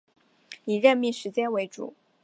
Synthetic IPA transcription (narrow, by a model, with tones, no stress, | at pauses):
i˨˩ɻə˥˧nmi˥˩ʂɻ̩˧˥t͡ɕjɛ˥nwe˧˥ɪʈ͡ʂṵ˨˩˦